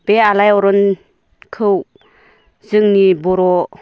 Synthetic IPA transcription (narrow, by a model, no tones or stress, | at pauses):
b̥ealajɔɾɔn | kʰɯw | zɯŋnibɔɾɔ